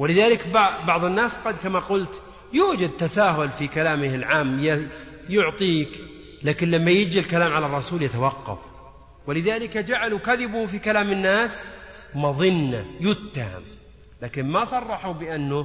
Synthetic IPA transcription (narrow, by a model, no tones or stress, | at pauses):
wɪlɪðaːlɪkbbɑʕðˤɨnːaːsqɑd̪kamaqʊlt̪ | juːd͡ʒad̪̚t̪ːasaːɦʊlfikalaːmɪhɪlʕaːmja | jʊʕt̪ˤiːk | laːkɪnlamːajɪd͡ʒilkalaːmʕalarˤːɑsuːljat̪awɑqːɑ̰f | wɪlɪðaːlɪkad͡ʒaʕalukaðɪbʊhfikalaːmɪnːaːs | mɑðˤɨnːa̰jʊt̪ːaha̰m | laːkɪnmasˤɑrˤːɑħubɪʔanːʊ